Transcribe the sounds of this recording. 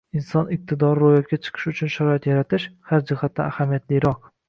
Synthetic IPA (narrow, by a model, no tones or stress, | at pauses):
ɪnsɒnɪq̚t̪ʰɪd̪ɒɾɾojɒt̪̚kʲat͡ʃʰɨ̥qʰɨ̥ʃʊt͡ʃʰʊnʃaɾɒat̪jaɾat̪ʰɪʃhaɾd͡ʒɪhat̪ːa̰ahamijat̪lɪjɾɒq̚